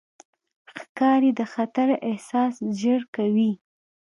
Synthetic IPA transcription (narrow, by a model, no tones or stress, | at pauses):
xkɑɾed̪əxat̪aɾɪhsɑsʒəɽkawi